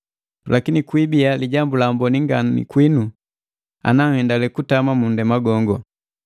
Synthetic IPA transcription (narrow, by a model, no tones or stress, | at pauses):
lʔakinikwibialiɟambulambɔniŋɡannḭkwinu | a̰naŋ̩hɛndalɛkutamamundɛmaɡɔŋɡɔ